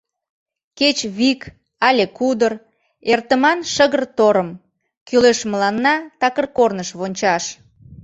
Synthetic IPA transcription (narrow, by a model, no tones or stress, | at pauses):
ket͡ɕβik | ɑlʲekud̪ər | ert̪əmɑnʃəɣərt̪oɾəm | kyleʃməlɑnːɑt̪ɑkərkornəʃβonʲt͡ɕɑʃ